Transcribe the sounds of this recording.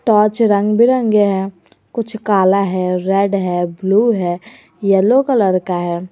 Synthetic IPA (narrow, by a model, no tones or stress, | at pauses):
ʈɔːt͡ʃɾə̃ŋɡbʱiɾə̃ŋɡeɦɛː | kʊt͡ʃʰkaːlaɦɛːɾɛːɖɦɛːbluːɦɛː | jɛloːkələɾkaɦɛː